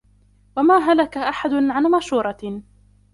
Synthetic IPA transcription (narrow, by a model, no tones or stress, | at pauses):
wamaːɦalakaʔaħad̪ʊnʕanmaʃuːɾˤɑ